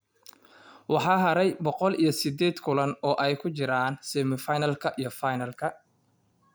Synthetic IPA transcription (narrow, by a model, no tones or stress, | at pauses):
wɑħɑːɦɐɾɛjbɔqɔlijɞsɪd̪ɛːd̪kʰʊlɐnɔːʔɛjkʰʊt͡ʃɪɾaːnsɛːmɪfajnɐlkʰɐʔijɞfajnɐlkʰɐ